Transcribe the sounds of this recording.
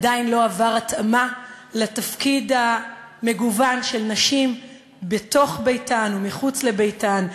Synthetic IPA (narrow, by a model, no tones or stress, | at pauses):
adainlo̞avaʁat̪amaletafkidha | me̞ɡuvanʃe̞lnaʃim | be̞to̞χbejtanumiχut͡sle̞bejtan